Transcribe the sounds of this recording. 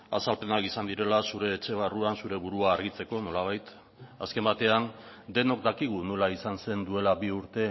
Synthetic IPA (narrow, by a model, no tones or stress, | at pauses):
a̰salpe̞nakisand̪iɾe̞lasuɾe̞ːt͡ʃe̞β̞aruansuɾe̞βuɾuaːɾɣit͡se̞ko̞no̞laβ̞ajt̪ | aske̞mbat̪e̞and̪e̞no̞k̚d̪akiɣ̞unulaisanse̞nd̪ue̞laβiuɾt̪e̞